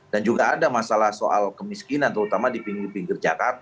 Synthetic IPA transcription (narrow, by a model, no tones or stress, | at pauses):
d̥and͡ʒuɡaːdamasalahsoʔa̰lkəmiskinant̪əɾut̪amadipiŋɡɪrpiŋɡird͡ʒa̰kart̪a